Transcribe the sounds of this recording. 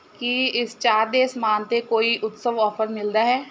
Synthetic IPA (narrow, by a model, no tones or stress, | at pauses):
kiɪst͡ʃaːɾd̪eːsmaːnt̪ekoːiʔʊt̪səʋɔːpʰəɾmɪld̪aɦɛː